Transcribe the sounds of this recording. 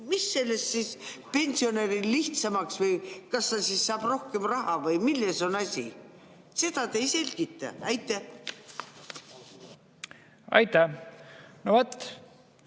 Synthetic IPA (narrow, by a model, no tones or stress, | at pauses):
misːe̞lːe̞st̪sis | pe̞nʲsio̞neɾilliht̪sɑmɑksvɤjkɑst̪ɑsissɑːb̥ro̞hke̞mrɑɦɑvɤjmilːeso̞nɑsʲḭ | se̞t̪ɑt̪e̞jse̞lʲɡ̥it̪ːˑɑ̰æjt̪ːˑe | ɑ̰jt̪ːæ | novɑt̪ː